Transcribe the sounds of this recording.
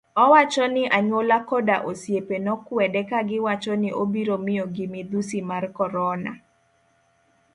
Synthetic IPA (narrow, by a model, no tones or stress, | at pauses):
ɔwat͡ʃɔnɪʔaɲwolakɔdaʔosjepenɔkwɛdɛkaɡɪwat͡ʃɔnɪʔobiɾomɪjɔɡɪmɪd̪usimarkɔɾɔna̰